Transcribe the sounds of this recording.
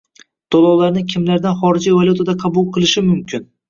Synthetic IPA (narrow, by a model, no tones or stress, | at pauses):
d̪̥olˠɒwlˠaɾnɪkʲʰɪmlaɾd̪anχɒɾɪd͡ʒijvalʲut̪ʰad̪aqʰɑbʊlˠqʰɨlˠɪʃɪmʊmkʲʰɪn